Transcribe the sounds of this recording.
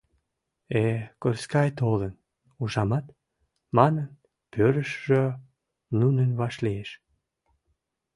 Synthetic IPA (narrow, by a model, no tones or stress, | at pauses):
ekorskɑjt̪olən | uʒɑmɑt̪ | mɑnən | pʰøɾəʃʒø | nunənvɑʃlieʃ